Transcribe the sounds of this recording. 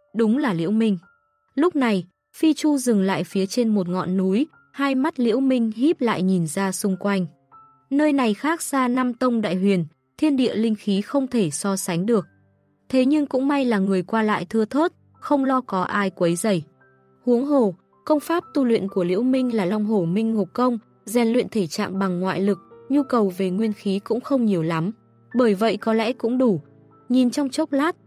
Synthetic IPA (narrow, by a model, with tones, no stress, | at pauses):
ɗʊ˨˦ŋ͡mlaː˨˩lḭ˧˥əwmï˧ŋ̟ | lʊ˦˥k͡p̚na˨˩j | fi˧t͡ɕu˧zɨ˨˩ŋla̰ː˧˨jfi˨˦ət͡ɕe˧nmo˨˩t̚ŋɔ̰˧˨nːu˨˦j | haː˧jma˦˥t̚lḭ˧˥əwmï˧ŋ̟hi˦˥p̚la̰ː˧˨jɲi˨˩nzaː˧sʊ˧ŋ͡mkwa˧jŋ̟ | nəː˧jna˨˩jxaː˦˥k̚z̥aː˧na˧mt̪ə˧wŋ͡mɗa̰ː˧˨jɦwi˨˩ən | t̪ʰi˧ənɗḭ˧˨əlï˧ŋ̟xi˨˦xə˧wŋ͡mt̪ʰe˧˩sɔ˧sa˨˦jŋ̟ɗɨ˨˩ək̚ | t̪ʰe˨˦ɲɨ˧ŋkʊ̰˧˥ŋ͡mma˧jlaː˨˩ŋɨ˨˩əjkwaː˧la̰ː˧˨jt̪ʰɨ˧ət̪ʰo˦˥t̚ | xə˧wŋ͡mlɔ˧kɔ˨˦ʔaː˧jkwə˨˦jzə̰˧˩j | hu˨˦əŋɦo˨˩ | kə˧wŋ͡mfaː˦˥p̚t̪u˧lwḭ˧˨nku˧˩əlḭ˧˥əwmï˧ŋ̟laː˨˩la˧wŋ͡mɦo˧˩mï˧ŋ̟ŋo˨˩p̚kə˧wŋ͡m | zɛ˨˩nlwḭ˧˨ənt̪ʰe˧˩t͡ɕa̰ː˧˨ŋɓa˨˩ŋːwa̰ː˧˨jlɨ˨˩k̚ɲu˧kə˨˩wve˨˩ŋwi˧ənxi˨˦kʊ̰˧˥ŋ͡mxə˧wŋ͡mɲi˨˩əwla˨˦m | ɓəː˧˩jvə̰˧˨jkɔ˨˦lɛ̰˧˥kʊ̰˧˥ŋ͡mɗu˧˩ | ɲi˨˩nt͡ɕɔ˧wŋ͡mt͡ɕə˦˥wk͡p̚laː˦˥t̚